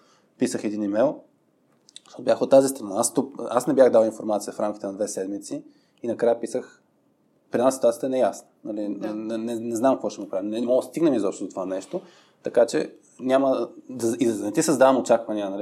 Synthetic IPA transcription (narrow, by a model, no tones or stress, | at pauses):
pisəxɛd̪inimɛjlˠ | t̪ot̪objaxot̪ːazist̪ɾɐnaast̪ukasnɛbʲjaxd̪alˠinfoɾmat̪sijəfɾamkʲi̥t̪ɛnɐd̪vɛsɛd̪mit̪si | inɐkɾajəpisəx | pɾʲinasit̪uajət̪ɛnɛjasnənɐlinɛnɛnɛznamkəvɔʃɛnɐpɾavimnɛɛmɔɡd̪st̪iɡnəmizɔpʃt̪od̪ot̪ovanɛʃt̪o | t̪ɐkat͡ʃɛ̰ | nʲaməd̪ɐid̪nɛt̪isəzd̪avəmot͡ʃakvɐniənɐli